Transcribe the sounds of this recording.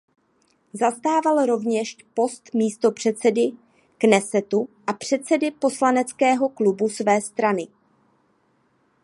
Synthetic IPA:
zast̪aːvalɾo̞vɲɛʃpo̞st̪miːst̪o̞pr̝̥ɛt̪t͡sɛdɪ | knɛsɛt̪uʔapr̝̥ɛt̪t͡sɛdɪpo̞slanɛt͡skɛːɦo̞klubusvɛːst̪ɾanɪ

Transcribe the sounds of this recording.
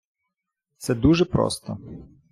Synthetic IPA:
t̪sɛd̪uʒɛpɾɔ̰st̪ɔ

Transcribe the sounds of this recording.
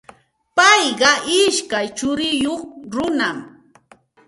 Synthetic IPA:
pɑjɢɑʔɪʃkajt͡ʃʊɾɪjoχɾʊnam

